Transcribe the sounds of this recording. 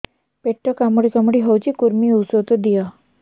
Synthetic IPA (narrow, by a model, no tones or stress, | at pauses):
peʈːəkamɽikamɽiɦəwt͡ɕikuɾmiusot̪əd̪ija